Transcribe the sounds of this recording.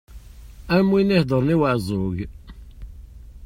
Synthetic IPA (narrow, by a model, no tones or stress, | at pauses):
æmwinihd̪ˤəɾˤniwaʕzˤʊʝ